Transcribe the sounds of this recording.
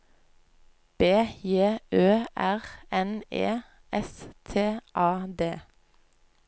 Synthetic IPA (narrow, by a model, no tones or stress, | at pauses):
b̥eːjeːʔøːʔæʁɛnḛː | ʔɛst̪ʰeːʔɑːd̪eː